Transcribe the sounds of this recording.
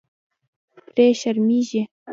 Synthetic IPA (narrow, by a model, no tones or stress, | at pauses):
prʲeɕərmʲiʑe